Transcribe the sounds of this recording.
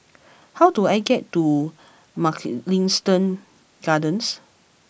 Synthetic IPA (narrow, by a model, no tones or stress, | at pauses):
hawduajɡɛtːu | maklĩŋstə̃n | ɡ̥adə̃ns